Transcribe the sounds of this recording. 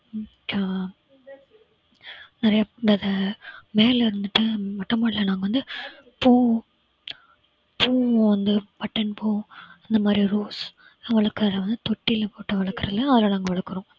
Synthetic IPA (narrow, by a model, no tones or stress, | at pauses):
a | nɪɾɐjadɐðɐmeːlɪɾɯnd̪ɯʈːɯmɐʈːɐmɐːɭɪlɐnaːŋɡɐʋɐnd̪ɯpuː | puːʋɐnd̪ɯpɐʈːɐnpoːɪnd̪ɐmaːd̪ɾiɾoːs | ʋɐɭɐkːɾðɐʋɐnd̪ɯt̪ɔʈːɪlpoːʈːɯʋɐɭɐkːɯɾɐðlɐ̃ɐðɪlaːlaːŋɡɐʋɐɭɐkːɯɾõ